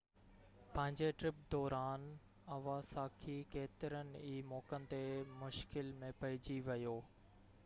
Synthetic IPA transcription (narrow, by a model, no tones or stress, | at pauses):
pɐ̃ɦɪ̃ɲd͡ʑeʈɾɪp̚d̪ɔːɾaːn | ɐʋaːsaːkʰikeːt̪ɪɾənɪ̆iːmɔːkənɪ̆t̪emʊʃkɪlmẽpɐɪd͡ʑiʋɐjoː